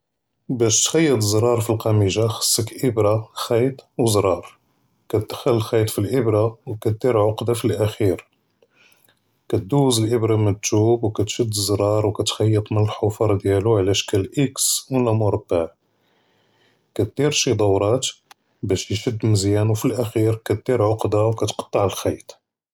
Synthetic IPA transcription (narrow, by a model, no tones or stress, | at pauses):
bæʃt̪xæjːət̪ˤzˤɾˤɑɾˤfilqɑmiʒaxə̥sːəkʔəbɾaxɑjt̪ˤwzɾˤɑɾˤ | kæd̪xəlːəlxɑjt̪ˤfilʔəbɾawkæt̪̚d̪iɾʕoqd̪afilʔæxiɾ | kæt̪̚d̪uwzəlʔəbɾɑmənət̪ːubwkæt̪ʃəd̪ːəzˤɾˤɑɾˤwkæt̪xɑjːət̪ˤmənəlħofɑɾˤd̪jæluʕlæʃkælʔəkswəlæmʊɾˤba | kæt̪̚d̪̥iɾʃid̪ˤɑwɾˤɑt̪ | bæʃjfəd̪ːməzjænwfilʔæxiɾkæt̪̚d̪̥iɾʕoqd̪awkæt̪qɑ̥t̪ˤːɑʕəlxɑjt̪ˤ